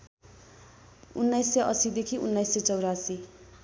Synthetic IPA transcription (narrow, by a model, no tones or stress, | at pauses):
unːajsːeʔʌsid̪ekʰiʔṵnːajsːet͡sʌwɾasi